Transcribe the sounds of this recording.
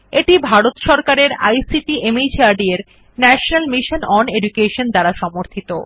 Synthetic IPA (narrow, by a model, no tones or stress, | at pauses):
eʈibʱaɾot̪ʃɔɾkaɾeɾa̰jsiʈiʔemejt͡ɕiaɾɖieɾ | nɛʃonalmiʃonɔneɖukeʃond̪aɾaʃɔmoɾt̪ʰit̪o